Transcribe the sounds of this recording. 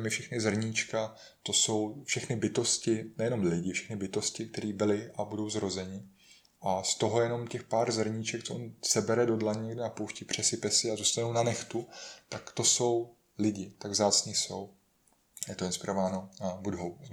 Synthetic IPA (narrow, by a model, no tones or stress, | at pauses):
mɪfʃɛxnɪzr̩ɲiːt͡ʃka | t̪o̞so̞wfʃɛxnɪbɪt̪o̞scɪnɛjɛno̞mlɪɟɪfʃɛ̥xnɪbɪt̪o̞scɪk̚t̪ɛɾiːbɪlɪʔabudo̞wzɾo̞zɛɲɪ | ʔast̪o̞ɦojɛno̞mcɛxpaːɾzr̩ɲit͡ʃɛk̚t͡soʔonsɛbɛɾɛdo̞dlaɲɛɡdɪnapowʃcɪpr̝̥ɛsɪpɛsɪazust̪anownanɛxt̪ut̪akt̪o̞so̞w | lɪɟɪt̪aɡvzaːt͡sɲɪso̞w | jɛt̪oɪnspɪɾovaːnobudɦow